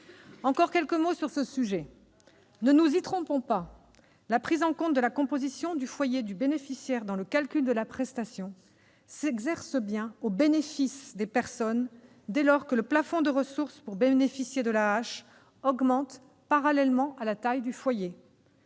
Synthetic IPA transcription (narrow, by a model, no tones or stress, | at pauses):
ɑ̃kɔʁkʲɛlkəmosyʁsəsyʒɛ | nənuzit̪χɔ̃pɔ̃pa | lapχizɑ̃kɔ̃t̪̚d̪əlakɔ̃pozisjɔ̃d̪yfwajed̪ybenefisjɛʁd̪ɑ̃ləkalkʲyld̪əlapχɛst̪asjɔ̃ | sɛɡzɛʁsəbjɛ̃obenefisd̪epɛʁsɔn | d̪elɔʁkələplafɔ̃d̪əʁəsuʁspuʁbenefisjed̪əlaːʃ | ɔɡmɑ̃t̪ | paʁalɛlmɑ̃ʔalat̪ajd̪yfwaje